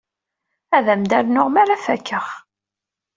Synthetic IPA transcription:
æðæmd̪æɾnʊʁmaɾafækːəʁ

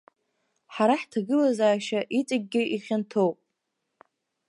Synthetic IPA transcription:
ħaɾaħtʰaɡɨlazaːʃaʔit͡sʼaɡ̚ʲɡʲɪʔiχʲantʰo̞wpʼ

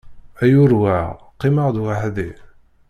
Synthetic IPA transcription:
æjʊɾwaʁ | qːiməʁd̪waħðḭ

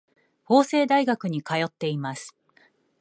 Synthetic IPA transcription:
ho̞ːse̞ːd̪aiɡakɯ̟ɲ̟ikajo̞t̪ːe̞imasɨ̥

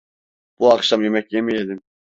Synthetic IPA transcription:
b̥uɑχʃɑmjemɛk̚ʲjemijed̪ɪm

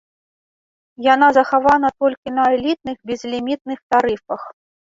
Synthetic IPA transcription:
jan̪azɐxavanɐt̪ɔlʲkʲinɐɛlʲit̪̚nɨɣbʲɛzlʲimʲit̪̚nɨxt̪aɾɨfɐx

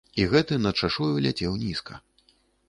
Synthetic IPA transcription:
iɣɛt̪ɨnɐt͡ʂaʂujulʲat͡sʲɛwnʲiskɐ̰

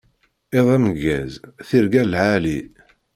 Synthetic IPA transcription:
ɪðˤæmɡːæ̰zθiɾɡælʕali

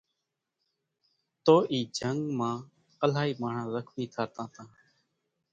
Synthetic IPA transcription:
t̪oːʔiːd͡ʒʱəŋɡmãː | əlaːiːmaːɳ̤ãːɾəkʰmĩːk̪ʰaːt̪ãːt̪ãː

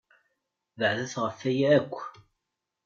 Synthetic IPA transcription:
ðəʕðæθʁəfæjæːkʷː

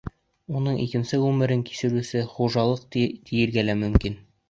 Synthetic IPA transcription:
unɤɴʔikɘ̆nsɘwʉmɘ̆ɾɘŋki̥sɘ̆ɾʉsɘχuʒɑlˠɤq̚t̪t̪ʰijɘ̆ɾɡælæmɵ̆mkin

